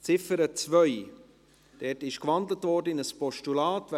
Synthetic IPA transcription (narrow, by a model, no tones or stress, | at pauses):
t͡sɪfəɾət͡svœʏ | d̥ɛtɪʃkvɑndlətvɔɾdəɪnəspɔʃtulɑːtv